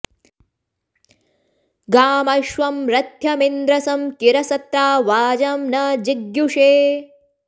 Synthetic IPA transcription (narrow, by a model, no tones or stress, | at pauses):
ɡaːmɐʃʋɐmɾɐt̪jɐmind̪ɾɐsɐmkiɾɐsɐt̪ɾaːʋaːd͡ʒɐmnɐd͡ʒiɡjuʂeː